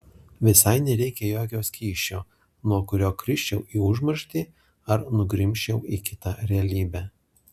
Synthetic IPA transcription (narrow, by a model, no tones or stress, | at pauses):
ʋʲɪsɐɪnʲɛɾʲɛɪkʲɛjoːkʲoːsʲkʲiːʃʲoː | nuɔkʊɾʲoːkɾʲɪʃʲt͡ʃʲɛʊʔiːʊʒmɐɾʃʲt̪ʲiː | ɐɾnʊɡɾʲɪmʲʃʲt͡ʃʲɛʊiːkʲɪt̪ɐɾʲɛɐlʲiːbʲæ